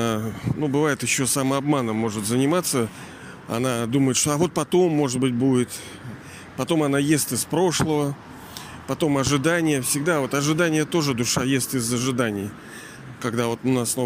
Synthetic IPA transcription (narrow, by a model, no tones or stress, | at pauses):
anubɨvajɪt̪jɪɕːo̞saməɐbmanəmːo̞ʐɨt̪zənʲɪmat̪sːə | ɐ̰nad̪uməjɪt̪ʂt̪o̞avo̞t̪̚pɐt̪o̞mːo̞ʐɨt̪̚bɨt̚ʲbudʲɪt̪ | pɐt̪o̞mɐnajesʲt̪ʲɨspɾo̞ʂlˠəvə | pɐt̪o̞mɐʐɨd̪anʲɪjəfsʲɪɡd̪avo̞t̪ɐʐɨd̪anʲɪjət̪o̞ʐɨd̪ʊʂajesʲt̪ʲɪzəʐɨd̪anʲɪj | kɐɡd̪avo̞t̪ʊnasno